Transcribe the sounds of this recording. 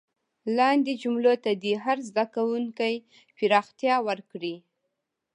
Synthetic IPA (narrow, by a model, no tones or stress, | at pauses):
lɑnd̪ed͡ʒumlot̪ad̪iɦaɾzd̪akawuŋkaj | piɾɑxt̪jɑwəɾkɽi